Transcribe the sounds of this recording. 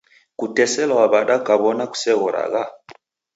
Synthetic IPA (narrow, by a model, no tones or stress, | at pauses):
kutɛsɛlawaβaɗakaβɔnaku̥sɛɣɔɾa̰ɣa